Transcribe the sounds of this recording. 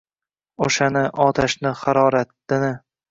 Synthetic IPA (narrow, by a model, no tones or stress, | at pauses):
oʃanɪʔɒt̪ʰaʃnɪχɑɾɒɾat̪ːɪnɪ